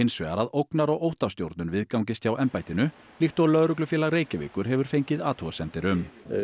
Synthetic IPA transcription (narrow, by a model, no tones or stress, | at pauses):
ejnsvɛːɣaɾaðowknaɾɔɣowht̪ḁst̪jowɾt̪nʏnvɪðkawŋc̬ɪst̪ʰjawʔɛmpajt̪ɪnʏ | lixt̪ɔɣlœðɾʏklʏfjɛːlaɣreːjcɪvɪ̰ːkʏɾ̥ɦɛvʏɾ̥fejɲcɪðaːt̪ʰuɣasɛmt̪ɪɾʏm